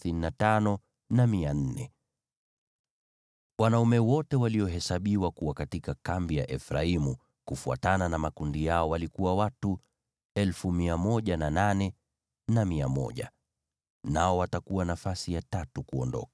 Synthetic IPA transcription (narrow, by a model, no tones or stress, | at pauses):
θininatanɔ | namian̩nːɛ | wanaumɛwɔtɛwaliɔɦɛsaɓiwakuwakatikakambija̰ʔɛfɾaimu | kufua̰tananamakundijaɔwalikuwawatu | ɛlfumiamɔʄanananɛ | namiamɔ̰ʄa̰ | naɔwatakuwanafasijatatukuɔndɔ̰kḁ